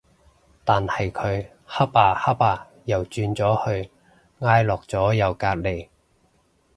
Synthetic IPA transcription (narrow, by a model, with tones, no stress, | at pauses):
t̪aː˨nhɐ˨jkʰɵ˨˧ɥ | hɐ˥p̚aː˨˩hɐ˥p̚aː˨˧ | jɐ˨˩wt͡ʃyː˧nt͡sɔː˨˥hɵ˧ɥ | ŋaː˥jlɔː˨k̚t͡sɔː˨˥jɐ˨wkaː˧t̚le˨˩j